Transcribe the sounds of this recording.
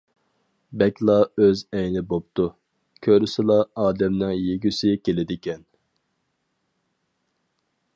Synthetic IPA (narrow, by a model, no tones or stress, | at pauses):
bɛkʲlˠɑøzɛjnɪbop̚t̪u | kʲʰøɾysɪlˠɑɑːd̪ɛmnɪŋjeɡʲysɪkʲelɪd̪ɪkʲʰɛn